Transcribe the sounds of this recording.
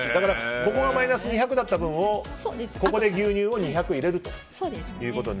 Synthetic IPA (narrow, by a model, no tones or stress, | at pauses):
id̪akaɾako̞ko̞ɡamainasɨɲ̟içakɯ̟d̪at̪ːabɯ̟̃ɰ̃o̞soesko̞ko̞d̪e̞ɡʲɨːɲ̟ʲɨːo̞ɲ̟içakɯ̟iɾe̞ɾɯ̟t̪o̞̥ | sod̪esjɯ̟ːko̞t̪o̰